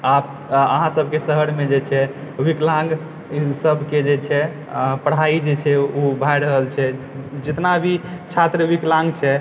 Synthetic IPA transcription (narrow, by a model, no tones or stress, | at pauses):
ap | əɦãsəbʱkesəɦəɾmed͡ʒet͡ʃʰɛwiklãŋɡ | səbʱked͡ʒet͡ʃʰɛ | pəɽ̤aid͡ʒet͡ʃʰɛubʱajɾəɦəlt͡ʃʰɛ | d͡ʒɪt̪nabʱit͡ʃʰat̪ɾəwiklãŋɡt͡ʃʰɛ